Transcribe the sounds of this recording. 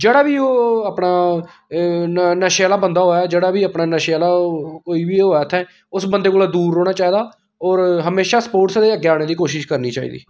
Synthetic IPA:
d͡ʒeːɽaːʋiːoːapɽaː | nəʃaːlaːbənd̪aːɦoːaːd͡ʒeːɽaːʋiːəpnaːnəʃaːlaːkoːiːʋiːɦoːaːət̪ʰːɛ̃ː | ʊsbənd̪eːkoːlaːd̪uːɾːoːɽ̃aːt͡ʃaːiːd̪aː | ɔːɾɦəmeːʃaːspoːʈsd̪eːəɡːeaːɽ̃eːd̪iːkoːʃɪʃkəɾniːt͡ʃaːḭːd̪ḭː

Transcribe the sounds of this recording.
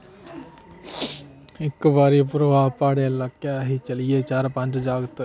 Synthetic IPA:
ɪkːbaːɾipʊɾɐʋaːɦpaːɽelɐkːjaɦit͡ʃɐliet͡ʃaːɾpãɲt͡ʃd͡ʒaːɡt̪

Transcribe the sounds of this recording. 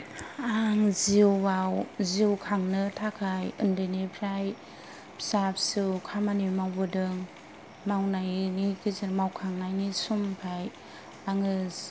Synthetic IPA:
aŋziwwawziwkʰaŋnɯtʰakʰajɯndɯnepʰɾaj | pʰsap̚sɯwkʰamanimawbɯdɯŋ | mawnajniɡizɯɾmawkʰaŋnajnisumpʰaj | aŋɯs

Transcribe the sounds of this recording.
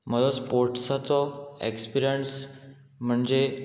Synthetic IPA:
məlɔspoɾʈsat͡s̪ɔḛkspiɾijəɳs | m̤əɳd͡ʑe

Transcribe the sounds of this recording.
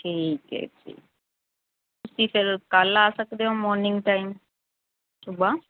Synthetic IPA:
ʈʰikḛtʰḭː | kusifʰelkalaːsəkd̪eomɔːɾniŋɡʈajm | subʱa

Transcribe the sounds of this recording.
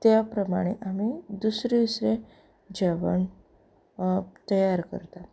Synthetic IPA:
t̪japɾəmaɽ̃eʔamid̪usɾed̪usɾe | d͡ʑaʋəɳ | t̪əjaɾkə̰ɾt̪a

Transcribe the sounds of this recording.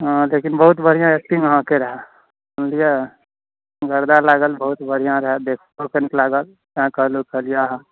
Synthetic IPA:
ɦãlekinbəɦut̪bəɾ̤ijãek̚ʈĩŋɦãkeɾəɦɛ | əmlije | ɡəɾd̪alaːɡəlbəɦut̪bəɾ̤ijãɾəɦɛd̪ekʰokəniklaːɡəl | kãkəɦlokəlijaɦa

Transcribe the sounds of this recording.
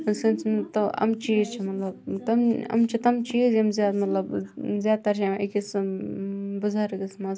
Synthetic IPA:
sɨnt͡st̪ɐɐ̰mt͡ʃiːzt͡ʃʰimɐt̪lɐb̚t̪ɐmɐ̰mt͡ʃʰit̪ɐmt͡ʃiːzɐmzjaːd̪mɐt̪lɐbzʲjaːd̪̚t̪ɐɾt͡ʃʰiḭkis | buzʱaɾɐɡismɐs

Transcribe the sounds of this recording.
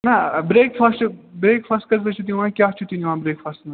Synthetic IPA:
nɐbɾeːkfʰɐsʈbɾeːkfʰɐsʈkɐzbet͡ʃʰut̪ĩʋãːkʲjaːt͡ʃʰut̪iniʋãːbɾeːkfʰɐsʈnɐ

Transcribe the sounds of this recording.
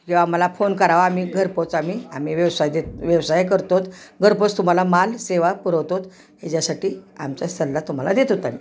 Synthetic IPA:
kĩw̃ʋaməlafonkəɾaʋam̤iːɡʱəɾpot͡sam̤iːam̤iːʋəʋsajd̪et̪ʋjəʋsajk̬əɾt̪ot̪ɡʱəɾpot͡st̪um̤alamalseʋapuɾəwt̪ot̪ | ɦed͡ʑjasaʈiːa̰mt͡ɕjasəlːat̪um̤alad̪et̪ot̪amiː

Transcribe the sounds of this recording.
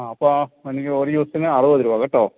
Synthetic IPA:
ɐpːoːenikʲːɨoɾud̪iʋɐst̪inɨɐrɨʋɐðiɾuʋɐɣɐʈːoː

